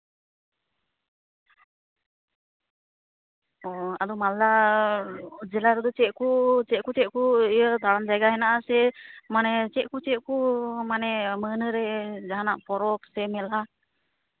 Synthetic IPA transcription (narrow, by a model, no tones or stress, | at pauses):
ɔa̰d̪ɔmalːa | d͡ʒɛlaɾɔd̪ɔt͡ʃɛʔ̚kut͡ʃɛʔ̚kut͡ʃɛt̪̚kuijət̪aɽand͡ʒajɡaɦɛnaʔasɛmanɛt͡ʃɛʔ̚kut͡ʃɛkumanɛmənəɾɛd͡ʒaɦanaʔpɔɾɔksɛmɛla